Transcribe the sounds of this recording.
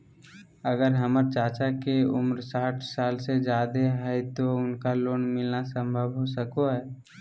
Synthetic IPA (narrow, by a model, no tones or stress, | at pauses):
əɡəɾɦəməɾt͡ʃaːt͡ʃakeʊmɾsaːʈʰsaːlsed͡ʒjaːd̪eɦɛt̪oʊnkaloːnmɪlnasə̃mbʱəbɦosəkoɦɛː